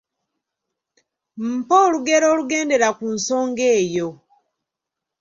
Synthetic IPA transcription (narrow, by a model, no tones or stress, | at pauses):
m̩poːluɡeɾoːluɡe̞ːnde̞ɾakunso̞ːŋɡeːjo